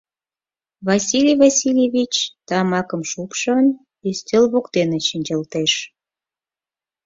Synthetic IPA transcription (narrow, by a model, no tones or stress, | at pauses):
βɑsʲilʲijvɑsʲilʲevʲit͡ɕt̪ɑmɑkə̆mʃupʃən | yst̪ʲelβokt̪eneʃənʲd͡ʑəlt̪eʃ